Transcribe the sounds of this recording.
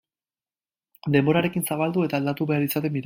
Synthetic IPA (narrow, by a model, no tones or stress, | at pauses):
d̪e̞mbo̞ɾaɾe̞kinsaβald̪ue̞t̪aːld̪at̪uβe̞aɾlit͡sat̪e̞miɾ